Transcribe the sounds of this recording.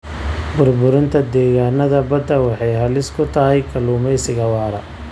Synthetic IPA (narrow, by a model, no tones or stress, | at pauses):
bʊrbʊɾɪnt̪ʰɐd̪ɛːɣaːnɐðɐbɐd̪ɐwɑħɑjɦɐlɪskʰʊt̪ʰɐɦɛjkʰɐluːmɛjsɪɣɐwɑːɾɐ̰